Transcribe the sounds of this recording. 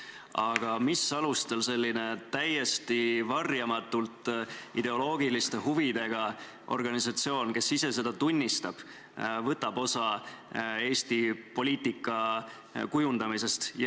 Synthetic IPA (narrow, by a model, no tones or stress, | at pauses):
ɑɡ̥ɑmisːɑlust̪e̞lse̞lʲːine̞t̪æje̞st̪ivɑrjɑmɑt̪ːult̪ːˑid̪e̞o̞lo̞ːɡ̥ilist̪e̞huvid̪̥e̞ɡ̥ɑ | ʔo̞̰rɡ̥ɑnisɑt̪sio̞ːnke̞sːise̞se̞d̪̥ɑt̪unʲːist̪ɑb̥ | vɤt̪ːˑɑbo̞sɑ | e̞ːst̪ipo̞lʲiːt̪ikːˑɑ | kujund̪̥ɑmise̞st̪j